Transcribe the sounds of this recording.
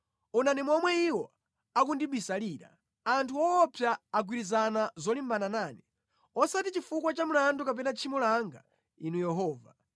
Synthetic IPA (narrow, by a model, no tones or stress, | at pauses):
unanimɔmwɛiwɔ | akundiɓisaliːɾa̰ | antʰuwɔːpʰjaːɡwiɾizanazɔlimbananaːni | ɔsatit͡ʃifukwat͡ʃamulandukap̬ɛnat͡ʃʰimulaŋɡa̰ | inujɛɦɔːva̰